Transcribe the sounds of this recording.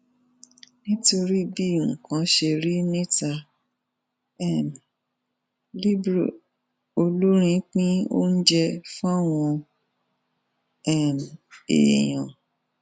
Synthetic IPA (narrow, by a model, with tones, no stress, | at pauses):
nĩ˦to˧ɾi˦bi˦˨ũ˨kã˨˦ʃe˧ɾi˦nĩ˦ta˧ | ɛ˦˨m | li˦bɾi˨ | o˧lo˦ɾ̃ĩ˧˦k͡pĩ˦o̰˦n̩˦d͡ʒɛ˧fũ˦a˦˨w̃ɔ̃˧ | ɛ˦˨mḛ˨j̃ã˨